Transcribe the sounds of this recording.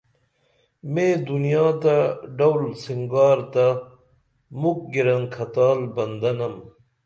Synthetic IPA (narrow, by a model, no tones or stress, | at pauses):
mẽːd̪unijaːt̪aɖɐwlsiŋɡaːɾt̪a | muk̚ɡiɾɐnkʰɐt̪aːlbɐnd̪ɐnɐm